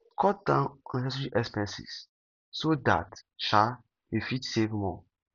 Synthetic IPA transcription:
kʰɔt̚dãnɔ̃nisɛs̬itiʔɛkspɛ̃nsḭs | soda̰tʃa | efitsevmɔ̰̃

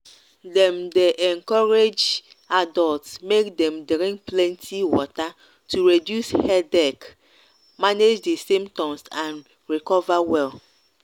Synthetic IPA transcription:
dɛmdeʔɛŋkɔɾed͡ʒ | adɔltsmekd̪ɛ̃mdɾĩŋk̚plɛ̃ntʰiwɔ̰ta | tʰuɹedjushɛdɛk | maned͡ʒd̪esĩmtɔmsãn | ɹikɔvawɛl

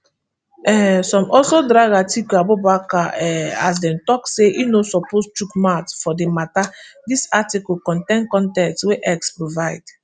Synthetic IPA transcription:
ɛsɔ̃mʔɔlsodɾaɡatikuabobakaɛas̬dɛ̃mtɔkseʔinosɔpost͡ʃukmatfɔdematadisatikɔkɔ̃ntẽnkɔ̃ntɛtweʔɛkspɹovaɪd̥

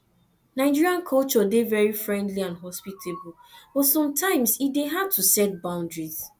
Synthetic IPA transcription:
naɪd͡ʒiɹiãnkʰɔlt͡ʃɔdevɛɹifɹɛ̃ndliãnɦɔspitʰebub̥ɔtsɔ̃mtʰãɪ̃msideɦad̚tʰusɛt̚bãʊ̃ndɹiz

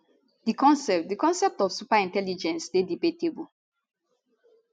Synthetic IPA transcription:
dikɔ̃nsɛp̚tdikɔ̃nsɛp̚tɔfsupaĩntɛlid͡ʒɛ̃nsdedibetebu

